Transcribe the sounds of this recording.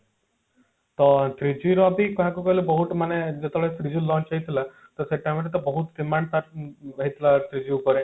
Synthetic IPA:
t̪ɔt̪ɾid͡ʒiɾɔabikɔɦakukɔɦilubɔɦuʈ̪maned͡ʒet̪ɔɭet̪ʰɾid͡ʒilɔ̃nt͡ʃaɦit̪ʰila | t̪ɔseʈajmeɾet̪ɔbɔɦut̪d̪imaɳt̪aɾbaɦit̪ʰilat̪ʰɾid͡ʒiukɔɾẽ

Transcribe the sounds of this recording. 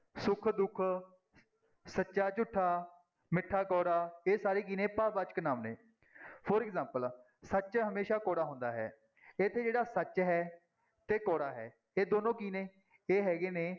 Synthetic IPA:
sʊkʰd̪ʊkʰ | sətːʃaːt͡ʃʊʈʰːaː | mɪʈʰːaːkɔːɽaːeːsaːɾiːkiːnẽːpaːbaːt͡ʃknaːmnḛː | pʰəɾɪkzãːmpəl | sət͡ʃɦəmeːʃaːkɔːɽaːɦʊ̃nd̪aːɦɛ̰ː | ɪt̪ʰːeːd͡ʒeːɽaːsət͡ʃɦɛː | t̪eːkɔːɽaːɦɛ̰ː | eːd̪oːnõːkiːnẽː | eːɦɛːɡeːneː

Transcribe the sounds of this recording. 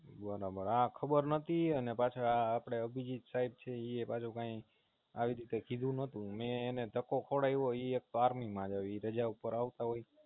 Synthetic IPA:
bəɾabəɾakʰəbəɾnət̪ʰiənepat͡ʃʰaaːpɽ̃eəbʱid͡ʒit̪saib̚t͡ʃʰeiepat͡ʃʰukãi | aʋiɾit̪ekʰid̪ʱũnət̪ũmẽːned̪ʱəkokʰoɽajʋoiek̚t̪oaɾmimãd͡ʒaʋiɾəd͡ʒaupəɾaʋt̪aɦoj

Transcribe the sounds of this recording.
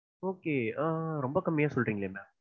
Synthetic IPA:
oːkeːãːɾɔmbɐkɐmːɪjaːsɔlɾiːŋɡɐlemɛ

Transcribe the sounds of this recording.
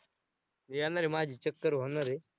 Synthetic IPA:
nijanaɾemaːd͡ʑiːt͡ɕəkːəɾʋonaɾe

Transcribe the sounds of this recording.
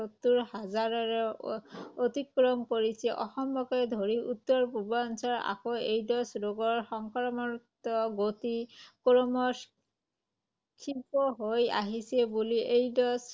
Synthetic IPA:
ot̪ːuɹhazaɹɔɹɔ | ot̪ikːɹɔmkoɹisɛʔɔxɔmbɔkɔd̪ʱoɹiʔut̪ːɔɹpubɔnsɔɹa̰kɔejdɔsɹoɡɔɹxɔŋkɔɹmɔɹtɔɡot̪ikɔɹɔmɔs | kʰipɔɦoja̰ɦisɛbuliʔejdɔs

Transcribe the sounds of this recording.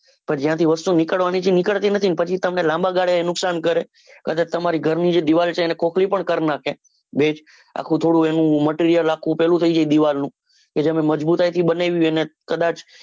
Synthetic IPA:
pəɾd͡ʒjãt̪ʰiʋəst̪unɪkəɭʋanit͡ʃʰinɪkəɭt̪inət̪ʰinpət͡ʃʰit̪əmnelãmbaɡaɽeenʊksankəɾe | kəd̪at̪əmaɾiɡʱəɾnid͡ʒed̪iʋalt͡ʃʰeːnekʰokʰlipəɳkəɾnakʰe | bed͡ʒ | a̰kʰũt̪ʰoɽũenũməʈiɾijəlakʰũpɛlũt̪ʰəid͡ʒaid̪iʋalnũ | ked͡ʒəmẽməd͡ʒbut̪ajt̪ʰibəneʋjũenekəd̪at͡ʃ

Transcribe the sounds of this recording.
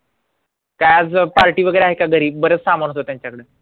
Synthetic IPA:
kajad͡zpaɾʈiːʋəɡəjɾeaɦekaɡʱəɾiːb̚ːəɾəːt͡ssamənɦot̪ot̪jaɲt͡ɕakəɽe

